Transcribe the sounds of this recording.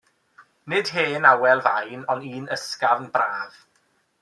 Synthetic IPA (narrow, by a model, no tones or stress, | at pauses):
nɪd̥heːnawɛlˠvajnɔniːnəskavnbraːð̥